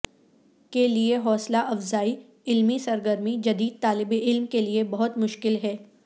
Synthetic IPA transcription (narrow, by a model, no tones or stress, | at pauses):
kelieɦɔːslaʔɐfzaːi | ɪlmisɐɾɡəɾmid͡ʒɐd̪iːd̪̚t̪aːlɪbeɪlmkeliebɐɦʊt̪mʊʃkɪlɦɛː